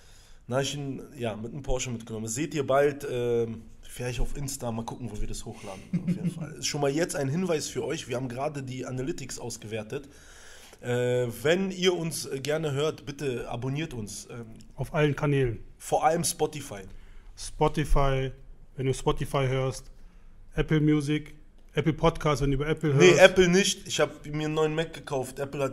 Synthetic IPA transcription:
naɪçnjaːmɪtnəmpʰɔɐʃəmɪt̚ɡ̥ənɔmənz̥eːtiːɐbaltʔɛː | fɪlaɪçtaʊfʔɪnstamaːlkʰʊkŋ̩voːviːɐdashoːxla̰ːdn̩aʊfjeːdnfa̰lɪstʃoːnmaːljɛt͡staɪnɦɪnvaɪsfyːɐʔɔʏçv̥iɐhaːbmɡəʁaːdədiːʔanalɪtɪksʔaʊsɡ̥əvɛːɐtət | ʔɛːvɛniːɐʊnsɛɡɛɐnəɦøːɐtb̥ɪtəʔa̰boniːɐtʊnsʔɛː | aʊfʔalənkʰanɛːlənfoːɐʔaləmspɔtifaɪspɔtifaɪvɛnduːspɔtifaɪɦøːɐst | ʔɛpl̩mjuːzɪk | ʔɛpl̩pʰɔtkʰaːstvɛnduːbɐɛpl̩hønəɐʔɛpl̩nɪçtɪçhaːbmiːɐənːɔʏənmɛk̚ɡ̥əkʰaʊftʔɛpl̩hat

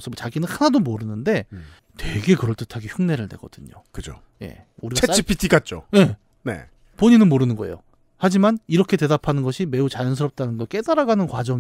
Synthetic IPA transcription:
sʰʌmot͡ɕaɡinɯnhanadomoɾɯnɯnde̞ | twe̞ɡe̞kɯɾʌɭt͈ɯtʰaɡiçjuŋne̞ɾɯɭne̞̰ɡ̥ʌ̰d̥ɯɲo̰kɯd͡ʑo̰ | je̞̰ | uɾiɡat͡ɕʰeipʰitʰikat͡ɕ͈o̰je̞ | ne̞̰ | poɲinɯnmoɾɯnɯnɡʌḛjo | had͡ʑimaniɾʌkʰe̞te̞dapʰanɯnɡʌɕʰime̞ut͡ɕajʌns̬ʰɯɾʌp̚t͈anɯnɡʌɭk͈e̞daɾaɡanɯnkwad͡ʑʌ

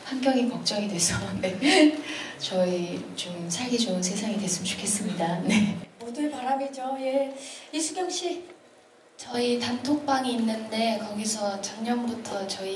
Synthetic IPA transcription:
hanɡjʌŋikʌk̚t͡ɕ͈ʌŋidwe̞sʰʌne̞ | t͡ɕʌit͡ɕomsʰaɭɡid͡ʑʌɯnsʰe̞sʰaŋidwes͈ɯmt͡ɕʰu̥kʰe̞s͈ɯmɲidane̞modɯnpaɾamed͡ʑoje̞jesʰuɡjʌŋɕ͈ʰi | t͡ɕʌitantʰok̚p͈aŋiːnːɯnde̞kʌɡisʰʌt͡ɕʌnɲʌmbutʰʌt͡ɕʌi

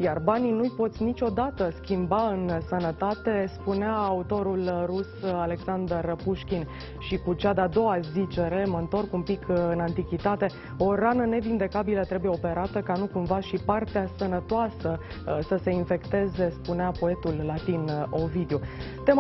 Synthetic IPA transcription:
jarbaninujpo̞t̪sʲnit͡ʃʲo̞d̪at̪əskʲimbaɨnsənət̪at̪e̞spuneaːut̪o̞ɾulrusale̞ksand̪ərpuʃkʲin | ʃikut͡ʃad̪ead̪o̞wazit͡ʃe̞ɾe̞məɨnt̪o̞rkumpikʰɨnant̪ikʲit̪at̪e̞ | o̞ɾanəne̞vind̪e̞kabilət̪ɾe̞bujeo̞pe̞ɾat̪əkanukumvaʃipart̪easənət̪oasə | səse̞infe̞kt̪e̞ze̞spuneapo̞e̞t̪ulːat̪ino̞vid̪eu | t̪e̞m

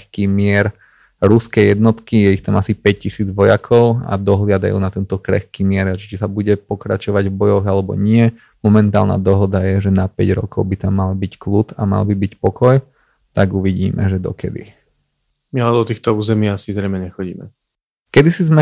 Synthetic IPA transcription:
xkiːmɪɛɾ | ɾuskɛjjɛd̪nɔt̪kijɛixt̪amasipɛccisiːd͡zʋɔjakʰɔʊa̰d̪ɔɦlɪad̪a̰jṵːnat̪ɛnt̪ɔkɾɛ̰xkiːmɪɛɾat͡ʃit͡ʃisabuɟɛpɔkɾa̰t͡ʃɔʋaɟvbɔjɔɣalɛbɔ̰ɲɪɛ | mɔmɛnt̪a̰ːlna̰ːd̪ɔɦɔd̪ajɛʒɛnapɛ̰ɟɾɔ̰kɔʊbit̪amːalbicklut̪ama̰lbibicpɔkɔj | t̪aɡuʋiɟiːmɛ̰ʒɛd̪ɔ̰kɛ̰d̪ḭ | mialɛd̪ɔt̪iːxt̪ɔuːzɛmɪasizɾɛjmɛɲɛxɔɟḭːmɛ̰ | kɛd̪isizmɛ

